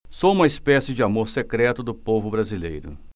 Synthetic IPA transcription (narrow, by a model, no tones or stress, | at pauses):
soũmɐispɛsɪd͡ʒɪamoɾsekɾɛt̪ʊd̪ʊpovʊbɾazilḛjɾʊ̰